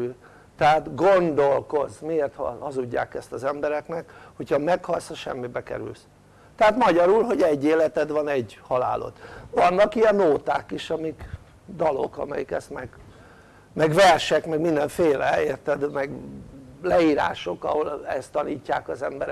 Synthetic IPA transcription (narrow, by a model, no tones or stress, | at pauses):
t̪ɛɦat̪ɡond̪olko̞zmieːrt̪hhɒzuɟːa̰ːkɛst̪ɒzɛmbɛɾɛknɛkhochɒmɛkhɒlshɒʃɛmːibɛkɛ̰ɾy̰ls | t̪ɛɦat̪mɒɟɒɾulɦo̞ɟɛɟːeːlɛt̪ɛd̪ʋɒnɛɟhɒla̰ːlʔo̰t̪ʋɒnːɒkijɛnːoːt̪aːkiʃɒmik | d̪ɒlo̞̰kɒ̰mɛ̰jikɛst̪mɛɡ | mɛɡʋɛrʃɛkmɛɡmind̪ɛɱfeːlɛeːrt̪ɛd̪mɛɡ | lɛiːɾa̰ːʃo̞kɒ̰holɛst̪ːɒniːcːaːkɒzɛmbɛɾɛ